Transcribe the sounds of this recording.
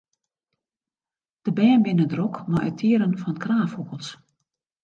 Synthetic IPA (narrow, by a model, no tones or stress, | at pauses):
d̥əbɛːnbɪnədrɔkmaʔə̰tʰiəɾənfɔnkraːfhokəlˠs